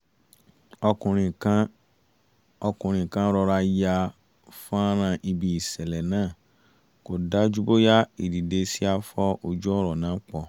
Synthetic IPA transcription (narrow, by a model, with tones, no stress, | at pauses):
ɔ˧kũ˨ɾ̃ĩ˨kã˦ | ɔ˧kũ˨ɾ̃ĩ˨kã˨˦ɾɔ˧ɾa˧ja˧ | fã˦ɾ̃ã˧˨ʔi˧bi˧i˨sɛ˨lɛ˨nãː˦˨ | ko˨da˦d͡ʒu˦bo˦ja˦i˨di˨de˧si˦a˧fɔ˦o˧d͡ʒu˦ɔ˦ɾɔ˨nãː˨˦k͡pɔ˧